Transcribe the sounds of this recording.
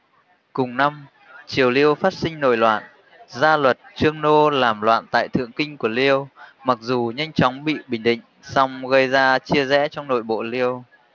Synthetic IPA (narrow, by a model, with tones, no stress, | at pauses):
kʊ˨˩ŋ͡mna˧m | t͡ɕi˨˩əwli˧əwfaː˦˥t̚sï˧ŋ̟no̰˧˨jlwa̰ː˧˨n | zaː˧lwə˨˩t̚t͡ɕɨ˧əŋno˧laː˨˩mlwa̰ː˧˨nt̪a̰ː˧˨jt̪ʰɨ̰˧˨əŋkï˧ŋ̟ku˧˩əli˧əwma˨˩k̚zu˨˩ɲa˧jŋ̟t͡ɕɔ˨˦wŋ͡mɓḭ˧˨ɓï˨˩ŋ̟ɗḭ̈˧˨ŋ̟sɔ˧wŋ͡mɣə˧jzaː˧t͡ɕi˧əzɛ̰˧˥t͡ɕɔ˧wŋ͡mno̰˧˨jɓo̰˧˨li˧əw